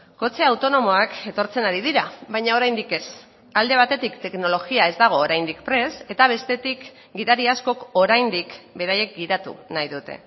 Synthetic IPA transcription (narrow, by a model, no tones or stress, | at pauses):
ko̞t͡se̞awt̪o̞no̞mo̞ake̞t̪o̞ɾt͡se̞naɾið̞iɾaβajɲao̞ɾajnd̪ike̞s | ald̪e̞β̞at̪e̞t̪ikt̪e̞kno̞lo̞ɣiae̞zd̪aɣ̞o̞ːɾajnd̪ikpɾe̞se̞t̪aβ̞e̞st̪e̞t̪ik | ɡiðaɾiasko̞ko̞ɾajnd̪ikbe̞ɾaje̞k̚ɡiðat̪ṵnajðut̪e̞̰